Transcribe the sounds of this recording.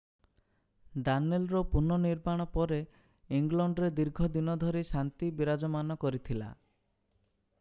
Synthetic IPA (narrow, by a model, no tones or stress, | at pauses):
ɖanelɾɔpunɔniɾmaɽ̃ɔpɔɾe | iŋɡlɔɳɖɔɾed̪iɾɡʱɔd̪inɔd̪ʱɔɾisant̪ibiɾad͡ʒɔmanɔkɔɾit̪ʰila̰